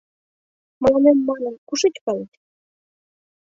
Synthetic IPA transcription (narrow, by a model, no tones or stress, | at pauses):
məlɑnemːɑnə̆nkuʃet͡ɕkɑlet̪ʲ